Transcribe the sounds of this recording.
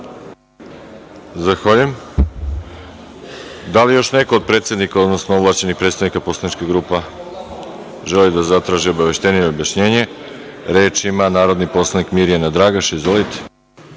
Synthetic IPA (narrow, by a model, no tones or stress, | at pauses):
zaxʋaʎujem | d̪alijo̞ʃne̞ko̞ːd̪̚pɾe̞t̪sjed̪nikaod̪no̞snoovlˠaːt͡ɕe̞nixpɾet̪st̪aʋnikapo̞slanit͡ʃkeɡɾupa | ʒelid̪azat̪ɾaːʒiobaʋe̞ʃt̪e̞nijeobjaʃɲe̞ːɲe̞ | ɾe̞ːt͡ʃimanaːɾo̞d̪nipo̞slˠanikmiɾijanad̪ɾaɡaʃizʋo̞lit̪e̥